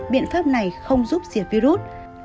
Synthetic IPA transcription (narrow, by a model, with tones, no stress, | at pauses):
ɓḭ˧˨ənfaː˦˥p̚na˨˩jxə˧wŋ͡mzu˦˥p̚zi˧˩əvi˧zu˦˥t̚